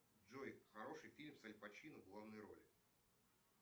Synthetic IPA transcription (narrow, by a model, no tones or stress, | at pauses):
ʐojxɐɾo̞ʂɨjfʲilʲmsɐlʲpɐt͡ɕinəvɡlˠavnəjɾo̞̰lʲɪ